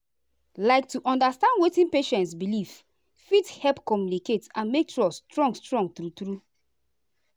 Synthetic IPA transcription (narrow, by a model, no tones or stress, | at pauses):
laɪk̚tuʔɔ̃ndastãndwetĩnpeʃɛ̃ntsbiliv | fithɛlpkɔmjuniketãnmek̚tɹɔstɹɔ̃ŋɡstɹɔ̃ŋɡθɹuθɹu